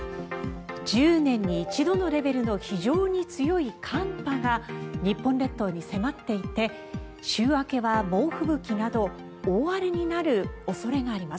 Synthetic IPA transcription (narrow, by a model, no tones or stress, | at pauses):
d͡ʑɨːnẽ̞ɲ̟ːiːt͡ɕid̪o̞no̞ɾe̞be̞ɾɯ̟no̞çiʑo̞ːɲ̟it͡sɨjo̞ikʰãmpaɡaɲ̟ipːõ̞nɾe̞t̪ːo̞ːɲ̟ise̞mat̪ːe̞it̪e̞ | ɕɨːβake̞βamo̞ːɸɯ̟bɯ̟kʲinad̪o̞ | oːβaɾɯɲ̟inaɾɯ̟o̞so̞ɾe̞ɡaːɾʲimas